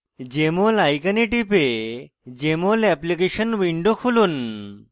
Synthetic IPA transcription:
d͡ʑemolajkəniʈipe | d͡ʑemolɛplikeɕənʋiɳɖokʰuluːn

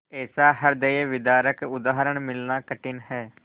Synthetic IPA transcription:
ɛːsaːɦəɾd̪əeːʋɪd̪aːɾəkʊd̪aːɦəɾəɳmɪlnaːkəʈɪnɦɛː

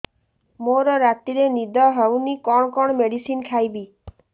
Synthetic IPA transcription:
moɾɔɾat̪iɾenid̪ɔɦewnikɔɽ̃ɔkɔɽ̃ɔmeɽisinkʰajbi

